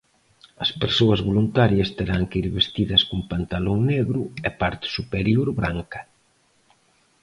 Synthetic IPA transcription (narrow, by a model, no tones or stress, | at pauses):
ɐspeɾsoɐzβolunt̪aɾjɐst̪eɾaŋkiɾβest̪iðɐskumpant̪aloŋneɣɾʊɛpaɾt̪ɪ̥supeɾjoɾβɾaŋkɐ̥